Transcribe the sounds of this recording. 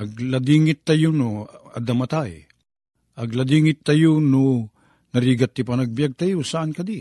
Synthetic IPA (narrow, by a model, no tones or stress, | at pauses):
ʔɐɡlad̪iːŋɪt̪ːɐjonoɐ̰d̪ɐmɐt̪aj | ʔɐɡlɐd̪iːŋɪt̪ːajono | nɐɾiɡat̪ːɪpanɐɡ̚bijaɡ̚t̪ajosaankɐd̪i